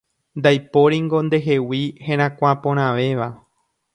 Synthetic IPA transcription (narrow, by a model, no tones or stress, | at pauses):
nd̪ajpo̞ɾiŋɡo̞nd̪e̞ɦewihẽɾ̃ãkʷapõɾ̃ãʋe̞ʋa